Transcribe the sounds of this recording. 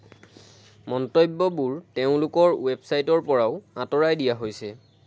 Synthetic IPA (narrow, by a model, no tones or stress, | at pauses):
mɔntojbːɔbuɹteʊ̃lʊkɔɹwebsajtɔɹpɔɹaʊãtɔɹajdijaɦojsɛ